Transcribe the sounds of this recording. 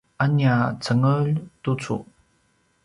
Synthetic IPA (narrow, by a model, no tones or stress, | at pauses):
ʔaniat͡səŋəʎtut͡sṵ